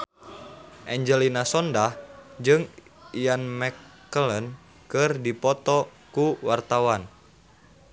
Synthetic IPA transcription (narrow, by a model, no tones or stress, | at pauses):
ʔɛɲd͡ʒɛlinasɔndahd͡ʒɨŋijanmɛkː | ələn | kɨrdipɔt̪ɔkuwart̪awan